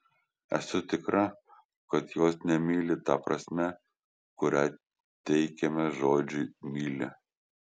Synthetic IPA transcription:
ɛ̰sʊt̪ʲɪkɾɐ | kɐt̪joːsnʲɛmʲiːlʲɪt̪ɐpɾɐ̰sʲmʲɛ | kʊɾʲæ | t̪ʲɛɪkʲɛmʲɛʒoːd͡ʒʲʊɪmʲiːlʲɪ̰

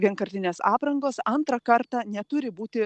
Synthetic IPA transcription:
ʋʲiɛnkɐɾʲt̪ʲɪnʲeːsɑːpɾɐŋɡoːsɐnt̪ɾɐkɐɾt̪ɑːnʲɛt̪ʊɾʲɪbuːt̪ʲɪ

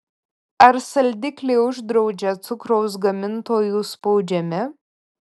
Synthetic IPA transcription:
ɐɾsɐlʲd̪ʲɪkʲlʲeɪʊʒd̪ɾɒʊd͡ʒʲɛt̪sʊkɾɔʊs̬ɡɐmʲɪnt̪oːjuːspɒʊd͡ʒʲɛmʲɪ

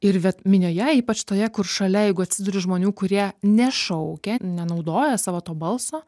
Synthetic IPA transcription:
ɪɾʋʲɛt̪mʲɪnʲoːjɛiːpɐt͡ʃt̪oːjɛkʊrʃɐlʲɛjɛɪɡʊɐt̪ʲsʲɪd̪ʊɾʲɪʒmoːnʲuːkʊɾʲiɛnʲɛʃɐʊkʲɛnʲɛnɐʊd̪oːjɛsɑːʋoːt̪oːbɐlˠsoː

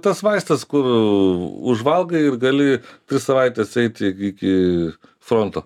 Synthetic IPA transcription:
t̪ɐsʋɐɪst̪ɐskʊr | ʊʒʋɐlˠɡɐɪɾɡɐlʲɪt̪ʲɾʲɪssɐʋɐɪt̪ʲesɛɪt̪ʲɪkʲɪ | fɾoːnt̪oː

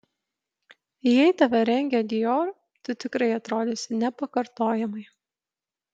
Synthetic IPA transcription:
jɛɪt̪ɐʋʲɛɾʲɛŋʲɡʲɛd̪ʲɪjoːɾ | t̪ʊt̪ʲɪkɾɐɪɐt̪ɾoːd̪ʲɪsʲɪnʲɛpɐkɐɾt̪oːjɛmɐɪ

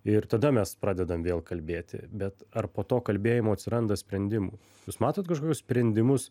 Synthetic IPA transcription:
ɪɾt̪ɐd̪ɐmʲɛspɾɑːd̪ʲɛd̪ɐmʋʲeːlˠkɐlʲbʲeːt̪ʲɪ̰bʲɛt̪ɐrpoːt̪oːkɐlʲbʲeːjɪmoːɐt̪ʲsʲɪɾɐnd̪ɐsʲpʲɾʲɛnʲd̪ʲɪmuː | juːsmɑːt̪oːt̪kɐʃkoːkʲʊsʲpʲɾʲɛnʲd̪ʲɪmʊs

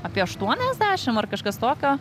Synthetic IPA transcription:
ɐpʲiɛɐʃt̪uɔnʲɛzʲd̪ʲæːʃʲɪmɐrkɐʃkɐst̪oːkʲoː

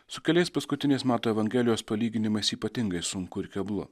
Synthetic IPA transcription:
sʊkʲɛlʲɛɪspɐskʊt̪ʲɪnʲɛɪsmʲæːt̪oːɛʋɐŋʲɡʲɛlʲɪjoːspɐlʲiːɡʲɪnʲɪmɐɪsiːpɐt̪ʲɪŋɡɐɪsʊŋkʊɪɾkʲɛblˠʊ̰

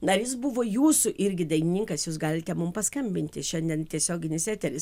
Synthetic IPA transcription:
nɐɾʲjɪsbʊʋoːjuːsʊʔɪɾʲɡʲɪd̪ɐɪnʲɪnʲɪŋkɐsjuːs̬ɡɑːlʲɪt̪ʲɛmʊmpɐskɐmʲbʲɪnʲt̪ʲɪʃʲɛnʲd̪ʲiɛnt̪ʲiɛsʲoːɡʲɪnʲɪsʲæːt̪ʲɛɾʲɪs

